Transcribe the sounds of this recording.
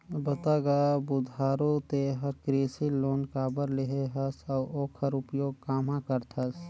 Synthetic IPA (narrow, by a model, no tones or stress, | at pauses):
bət̪aɡabʊd̪ʱaːɾot̪eɦəɾkɾeːsiloːnkaːbəɾleɦeɦəsawʔoːkʰəɾʊpjoːɡ̚kaːmãkəɾt̪ʰɐs